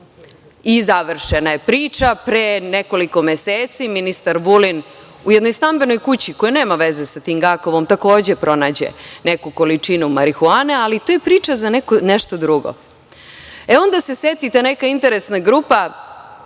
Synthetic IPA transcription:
izaʋr̩ʃenajepɾiːt͡ʂapɾeneko̞liko̞meseːt̪siminist̪aɾʋulin | ujed̪no̞jst̪ambe̞no̞jkut͡ɕiko̞jene̞ːmaʋe̞ze̞sat̪iːmɡako̞ʋo̞mt̪ako̞ːd͡ʑe̞pɾo̞naːd͡ʑḛnekuko̞lit͡ʂinumaɾixuanealit̪ojepɾiːt͡ʂazanekoneʃt̪o̞d̪ɾuɡo̰ | eo̞nd̪ase̞set̪it̪enekaint̪eɾesnaɡɾupa

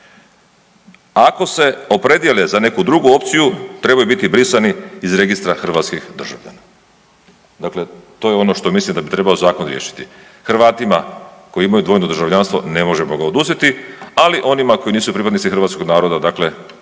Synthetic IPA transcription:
ako̞se̞o̞pɾe̞d̪je̞lezane̞kud̪ɾuɡuo̞pt̪sijut̪ɾe̞bajubit̪ibɾisaniːzɾe̞ɡist̪ɾaxr̩ʋaːt̪skixd̪r̩ʒa̰vʎa̰na | d̪akle̞t̪o̞ːjeo̞no̞ʃt̪o̞mislimd̪abit̪ɾe̞baozaːkonɾjeːʃi̥t̪i | xr̩ʋaːt̪imako̞iimajud̪ʋo̞ːjnod̪ɾrʒaʋʎaːnst̪ʋo̞̰ne̞mo̞ʒemoɡaod̪uzet̪ialiʔo̞nimako̞iniːsupɾipad̪nit̪sixɾrʋat̪sko̞ɡnaːɾo̞d̪ad̪akle̞

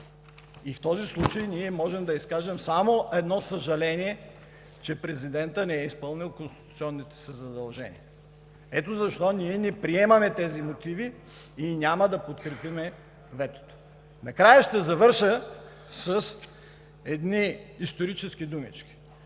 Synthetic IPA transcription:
ift̪ɔzislˠut͡ʃəjniɛmɔʒɛmd̪ɐiskaʒɛmsamoʔɛd̪nɔsɐʒɐlɛniɛ | t͡ʃɛpɾɛzid̪ɛnt̪ənɛɛispɤlˠnilˠkonst̪i̥t̪ut̪siɔnːit̪ɛ̥sɛzɐd̪ɐlˠʒɛ̰nʲḭɐ | ɛt̪ozɐʃt̪ɔniɛnɛpɾiɛmɐmɛt̪ɛzimot̪iviː | nʲamɐd̪ɐpot̪kɾɛpimɛ | vɛt̪o̥t̪o̥ | nɐkɾajəʃt̪ɛzɐvɤɾʃə | səs | ɛd̪niːst̪oɾit͡ʃɛsk̟id̪umḭt͡ʃkʲi̥

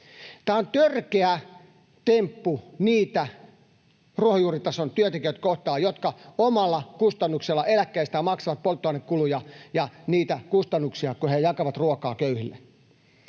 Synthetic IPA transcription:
t̪æːont̪ørkeæ | t̪empːuniːt̪æ | ruohojuːrit̪ɑsont̪yøt̪ekiøt̪koht̪ɑːjot̪kɑomɑlːɑkust̪ɑnːukselːɑelækːæist̪æmɑksɑʋɑt̪̚polt̪ːoɑnːekkulujɑjɑniːt̪ækust̪ɑnːuksiɑkuhejɑkɑʋɑt̪ruokɑːkøyhilːe

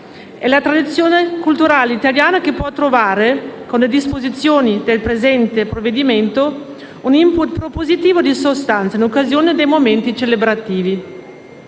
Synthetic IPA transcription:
ɛlat̪ɾad̪it̪sːjoːnekult̪uɾaːleit̪aljaːnak̟epwɔt̪ːɾovaːɾekonled̪ispozit̪sːjoːnid̪elpɾezɛnt̪epɾovːed̪iment̪o | unimput̪pɾopozit̪iːvod̪isost̪ant̪sainokːazjoːned̪ejmoment̪it͡ʃelebɾat̪iːvi

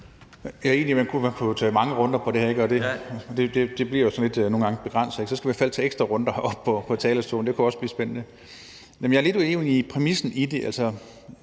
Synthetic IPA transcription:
jæe̝̰ːnlimænkʰumænkʰut͡sʰɛ̰ːmɑ̈ŋəʁɔ̽nd̥ɐpʰɒ̽d̥e̝hæɐe̝ɡ̥ɒ̽d̥e̝d̥e̝d̥e̝d̥e̝bliɐjosɒ̽nle̝d̥no̝ːn̩ɡ̥ɑ̈ŋəb̥e̝ɡ̥ʁɑn̰sð̩ˠeɡ̥sɒ̽sɡ̥æʋifæl̰t͡sʰɛːeɡsd̥ʁɐʁɔ̽nd̥ɐɒ̽b̥̚pʰɒ̽pʰɒ̽t͡sʰɛːləst͡sʰo̝̰ːn̩dekʰuɒ̽sb̥liːsb̥enənə | jæmjɑ̈æɐle̝due̝ːnipʰʁɛmisn̩id̥e̝ʔæl̰sɐ

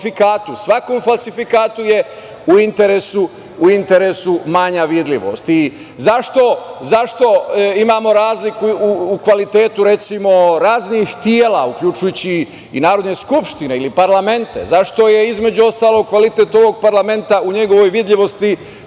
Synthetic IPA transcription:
fikaːt̪usʋako̞ːmfalsifikaːt̪uje̞ | uint̪e̞ɾesuː | int̪e̞ɾesumaɲaʋid̪ʎʲiʋo̞̰st̪i | zaʃt̪o̞zaʃt̪o̞imaːmo̞ɾaːzlikuːkʋalit̪e̞ːt̪uɾe̞t̪simo̞ɾaːznixt̪jeːlaukʎut͡ʃujut͡ɕiː | naːɾo̞d̪ɲeskupʃt̪ine̞ilipaɾlame̞nt̪e̞̰zaʃt̪o̞je̞izme̞d͡ʑuo̞st̪aːlo̞ɡ̚kʋalit̪e̞t̪o̞ʋo̞ɡ̚paɾlame̞nt̪auɲe̞ɡo̞ʋo̞jʋid̪ʎʲiʋo̞st̪i

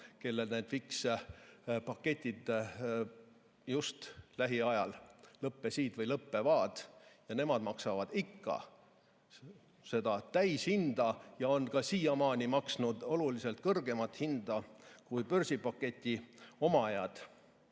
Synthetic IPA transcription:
ke̞lːe̞lned̪̥fiks | pɑkːe̞t̪ʲːˑid̪̥ | just̪læɦiɑjɑllɤpːe̞siːd̪̥vɤjlɤpːevɑːd̪̥jɑne̞mɑd̪mɑksɑvɑd̪̥ikːɑ̰ | se̞d̪̥ɑt̪æjshind̪̥ɑjɑo̞nkɑsiːjɑmɑːnʲimɑksnud̪̥o̞lulise̞lt̪̚kɤrɡ̥e̞mɑt̪hind̪̥ɑkujpørsipɑkːˑe̞t̪ʲːˑio̞mɑejɑd̪̥

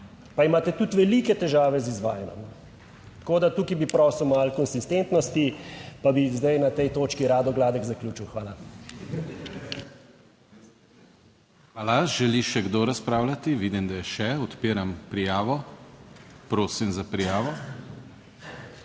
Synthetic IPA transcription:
paimaːt̪ɛt̪ut̪ʋɛliːkɛt̪ɛʒaːʋɛzizʋaːjɛnɔ̰m | t̪koːd̪at̪uːkibipɾɔsɔwmalkɔnsist̪ent̪nɔst̪ipabizd̪ajnat̪ɛjt̪oːt͡ʃkiɾaːd̪ɔɡlaːd̪ɛkzaklʲjuːt͡ʃiwxʋaːla | xʋaːlaʒɛliʃɛɡd̪oɾaspɾaːwlʲat̪iʋid̪imd̪ajɛʃɛɔt̪piːɾampɾijaːʋɔ | pɾoːsimzapɾijaːʋɔ

